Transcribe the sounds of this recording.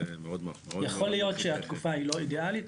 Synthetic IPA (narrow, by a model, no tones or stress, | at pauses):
jaχo̞lijo̞t̪ʃeat̪kufailo̞idealit̪